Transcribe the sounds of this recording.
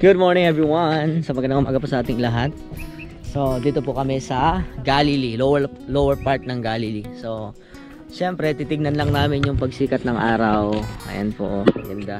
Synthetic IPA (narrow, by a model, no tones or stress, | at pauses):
ɡ̥ʊd̪̚moɹnɪ̃ŋɛvɹiwɐnsɐmɐɡɐnɐomʔɐɡɐposɐʔaːt̪ɪŋlɐɦat̪̚ | so̞d̪iːt̪opʊkɐmɛsɐɡalɪlilowɛɹ | lowɛɹpaɹt̪̚nɐŋɡaːlɪliso̞ | ʃɛmpɾɛt̪iːt̪ɪɡ̚nɐnlɐŋnaːmɪnjʊŋpɐɡsiːkɐt̪̚nɐŋʔaːɾɐwʔɐ̰jɐ̰npo̰ʔmɐɡɐnd̪a